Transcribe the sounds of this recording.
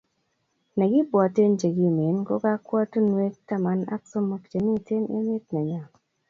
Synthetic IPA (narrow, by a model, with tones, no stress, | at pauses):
nɛ˨ɡɪ˦bwɔ˨te˦nd͡ʒe˨ɡi˦˨me˨˦nko˦ka˦kwɔ˦tnwe˦k̚ta˦ma˨˦na̰˦kso˦mo˦˨kd͡ʒe˨ni˦te˦nɪ̰˦mɪ˦t̚nɛ˨ɲa˨